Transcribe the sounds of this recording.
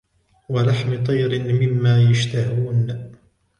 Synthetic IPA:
walaħmɪt̪ˤɑjɾɪnmɪmːaːjaʃt̪ahuːn

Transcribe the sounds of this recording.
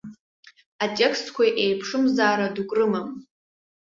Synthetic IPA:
atʼekstʰkʷʰajʔejpʰʂɨmzaːɾadukʷʼrɨmam

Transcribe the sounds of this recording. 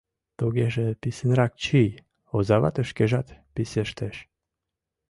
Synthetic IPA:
t̪uɣeʒepisenɾɑk̚t͡ɕij | ozɑβɑ̰t̪ə̆ʃkeʒɑt̪piseʃt̪eʃ

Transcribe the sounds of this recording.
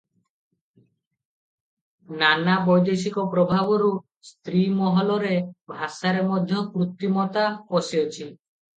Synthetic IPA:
nanabɔjd̪esikɔpɾɔbʱabɔɾu | st̪ɾimɔɦɔlɔɾebʱasaɾemɔd̪ʱjɔkɾut̪ːimɔt̪aɔsiɔt͡ʃʰi

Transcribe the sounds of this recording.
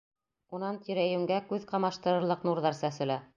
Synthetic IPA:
unɑnt̪iɾæjʉ̆ŋɡækʉðqɑmɑʃt̪ɤ̆ɾɤ̆ɾlˠɤqnuɾðɑɾsæsɘ̆læ

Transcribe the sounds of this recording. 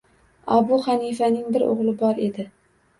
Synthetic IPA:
ɒbʊχanifanɪŋbɪɾo̰ʁlˠɪbɒɾe̞d̪ɪ

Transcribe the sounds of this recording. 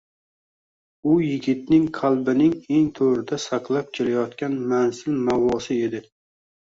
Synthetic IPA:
ʊjɪɡʲɪt̪̚nɪŋqʰalˠbɪnɪŋe̞ŋt̪ʰoɾɪd̪asaqlˠap̚kʲʰelajɒt̪kʲanmanzɪlmawɒsɪe̞d̪ɪ

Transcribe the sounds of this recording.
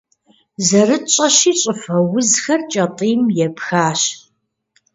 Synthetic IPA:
zɐrɨt͡ʃʼɐʃiːt͡ʃʼɪfɐwʊzxɐrt͡ʃʼɐtʼiːmjɛpxaːɕ

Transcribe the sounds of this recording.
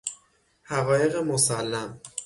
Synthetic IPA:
hæɣɒːje̞ɣemosælːæm

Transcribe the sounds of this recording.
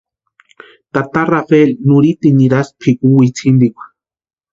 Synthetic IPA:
t̪at̪arafelnuɾit̪iniɾaspʰikuwit͡sʰind̪ikʷḁ

